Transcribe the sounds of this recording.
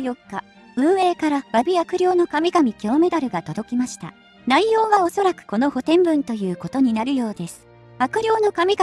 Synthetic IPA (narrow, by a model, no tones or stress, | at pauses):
jokːa | ɯ̟̃ɰ̃e̞ːkaɾaβabʲiakɯ̟ɾʲo̞ːno̞kamʲiɡamʲikʲo̞ːme̞d̪aɾɯ̟ɡat̪o̞d̪o̞kʲimaɕi̥t̪a̰ | naijo̞ːβao̞so̞ɾakɯ̟̥ko̞no̞ho̞t̪ẽ̞mbɯ̟̃nt̪o̞jɯ̟ːko̞t̪o̞ɲ̟inaɾɯ̟jo̞ːd̪e̞sɨ̥ | akɯ̟ɾʲo̞ːno̞kamʲiɡ